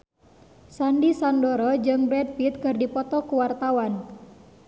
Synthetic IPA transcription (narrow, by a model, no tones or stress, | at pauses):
sandisandɔɾɔd͡ʒɨŋbɾɛd̚pit̪̚kɨrdipɔt̪ɔkuwart̪awan